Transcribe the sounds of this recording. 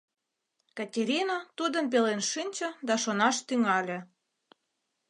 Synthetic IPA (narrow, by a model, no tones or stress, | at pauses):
kɑtʲeɾʲinat̪ud̪ə̆np̬elenʃɨnʲt͡ɕɤ̆d̪ɑʃonɑʃt̪yŋɑlʲĕ